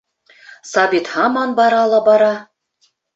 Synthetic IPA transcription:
sɑbʲit̪hɑmɑnbɑɾɑlˠɑbɑɾɑ

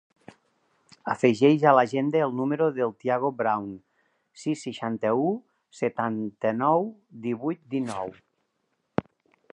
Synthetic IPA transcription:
afeʒejzalaʒend̪eːlˠnumeɾoðelˠt̪jaɣ̞obɾawn | sisːiʃant̪əu | set̪ant̪ənɔwd̪iβujt̪̚d̪inɔw

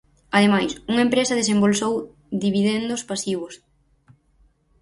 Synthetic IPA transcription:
ɐðemajsuŋaempɾesɐðesembolsow | d̪iβiðend̪ʊspasiβʊs

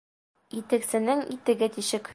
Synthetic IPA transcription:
it̪ɘ̆ksɘ̆nɘŋḭt̪ɘ̆ɡæt̪iɕɘk

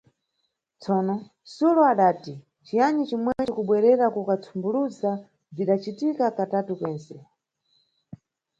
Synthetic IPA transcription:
t͡sɔːnɔ | sulɔaɗaːti | t͡ʃijanit͡ʃimwɛt͡ʃikuɓwɛɾɛɾakukat͡sʰumbuluza | viɗat͡ʃitikakatatukwɛːnsɛ

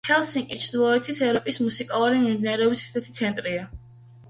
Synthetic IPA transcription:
hɛlˠsiŋkʼit͡ʃʰd̪ilˠɔɛt̪ʰisɛvɾɔpʼismusikʼalˠuɾimimd̪inaɾɛɔbisɾt̪ʰɛt̪ʰit̪sʰɛnt̪ʼɾia

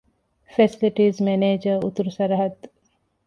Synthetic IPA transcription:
fesiliʈizmeneːd͡ʒəut̪uɾusɐɾɐɦɐt̪

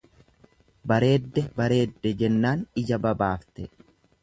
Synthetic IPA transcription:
bɐɾe̞ːd̪ːɛbɐɾe̞ːd̪ːɛd͡ʒɛnːaːnɪd͡ʒɐbɐbaːft̪ɛ

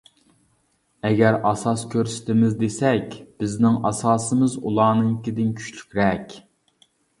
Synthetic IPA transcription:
ɛɡʲɛɾɑsɑskʲʰøɾsɪ̥t̪ʰɪmɪzd̪esɛkʲb̥ɪznɪŋʔɑsɑːsɨmɨzṵlˠɑːnɨŋkʲid̪ɪnkʲʰy̥t͡ʃly̥kʲɾɛkʲ

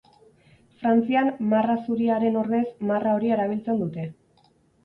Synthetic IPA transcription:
fɾant͡siammarasuɾiaɾe̞no̞ɾðe̞szmarao̞ɾie̞ɾaβ̞ilt͡se̞nd̪ut̪e̞

